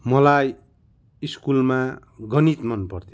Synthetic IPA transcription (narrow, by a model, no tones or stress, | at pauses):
mʌlaj | iskulma | ɡʌnit̪mʌnpʌrt̪ʰo